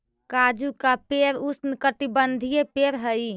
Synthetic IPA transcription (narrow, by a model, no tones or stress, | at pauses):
kad͡ʒukapeɾusnkəʈibənd̪ʱijepeɾɦəj